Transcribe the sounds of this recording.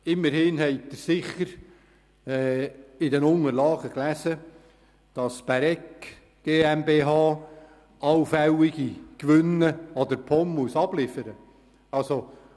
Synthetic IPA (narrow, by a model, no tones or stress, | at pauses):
ɪmːəɾhɪnɦɛɪk̚t̪əɾsɪχːəɾ | ɛːɪdɛnʊŋəɾlɑːɡ̥əklæsə | d̥ɑsb̥æɾɛk | ɡ̥eːɛmbeːɦɑː | ɑwfæwiɡ̥ikʋʏnəɑd̪əɾpʰɔmmuəsɑb̥lɪfəɾə | ɑlso